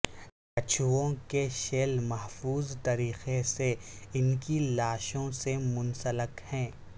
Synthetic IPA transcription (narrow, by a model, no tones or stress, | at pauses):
kɐt͡ʃʰuõkeʃeːlmɐɦfuːzt̪ɐɾiːxeseɪnkilaːʃõsemʊnsələkhɛ̃ː